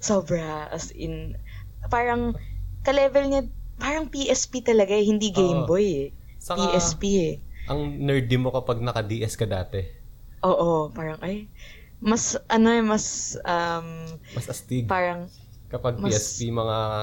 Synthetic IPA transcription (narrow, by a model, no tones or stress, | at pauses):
soːbɾɐʔɐ̰sʔɪn | paːɾɐŋkɐlɛːvɛlɲɐpaːɾɐŋpiʔɛspit̪ɐlɐɡaɛhɪnd̪iɡejmbojɛ | sɐpiʔɛspiɛʔɐŋnɛɹd̪ɪmokɐpɐɡ̚nɐkɐd̪iːʔɛskɐd̪aːt̪ɛ | ʔo̞ːʔopaːɾɐŋʔɐj | mɐsʔɐno̞ɛmɐsɐmmɐsɐst̪iɡpaːɾɐŋ | kɐpɐɡ̚mɐiɛspimɐŋa